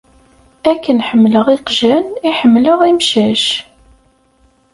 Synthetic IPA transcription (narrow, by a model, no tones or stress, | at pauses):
ækːənħəmːləʁiqʒæniħəmːləʁimʃæʃ